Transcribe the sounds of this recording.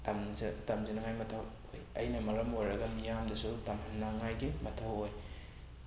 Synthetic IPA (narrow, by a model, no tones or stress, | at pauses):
tamtɐmzinɐŋajmɐtʰɐw | o̰jɐ̰jnɐmɐɾɐmojɾɐɡɐmijamdɐsutɐmhɐnnɐŋajɡimɐtʰɐwoj